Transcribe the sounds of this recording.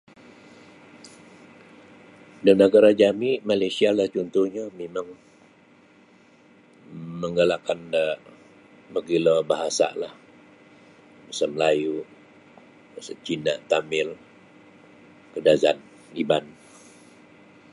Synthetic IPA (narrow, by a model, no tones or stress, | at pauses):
dənəɡaɾad͡ʒamiʔmalajsialaht͡ʃɔnt̪uhɲamemaŋ | məŋalakandə | məɡilɔbaɦasa̰ʔlah | bəsaməlaju | əsət͡ʃinaʔt̪amɪl | kədazan | iban